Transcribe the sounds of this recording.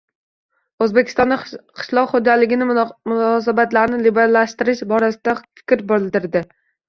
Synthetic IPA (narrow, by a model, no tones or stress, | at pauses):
ɵzbekʲʰɪ̥st̪ɒnd̪aqʰɪ̥ʃlˠɒqχod͡ʒalɪɡʲɪnɪmʊnɒs̬abat̪laɾnɪlɪbeɾalːaʃt̪ɪɾɪʃbɒɾasɪd̪afɪ̥kʲɾbolˠd̪ɪɾd̪ɪ